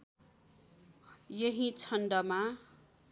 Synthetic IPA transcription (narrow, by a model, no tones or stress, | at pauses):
jʌɦit͡sʰʌnɖʌma